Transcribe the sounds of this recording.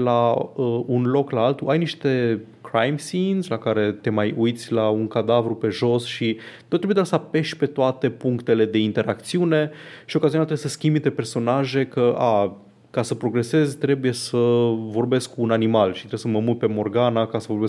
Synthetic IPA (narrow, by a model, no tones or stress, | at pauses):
laəunlo̞klaalt̪uʔajniʃt̪e̞kɾajmsinzlakaɾe̞t̪e̞majujt̪sʲlauŋkad̪avɾupe̞ʒo̞sʃit̪ot̪ːɾebjed̪asape̞ʃʲpe̞t̪oat̪e̞puŋkt̪e̞le̞d̪e̞int̪e̞ɾʔakt̪siune̞ʃio̞kaziunat̪ɾeesəskʲimb̪it̪eperso̞naʒe̞kəa | kasəpɾo̞ɡɾe̞se̞zʲt̪ɾe̞buje̞səvo̞rbe̞skkuːnanimalʃit̪ɾesəməmut̪ʲpe̞mo̞rɡanakasəvo̞bes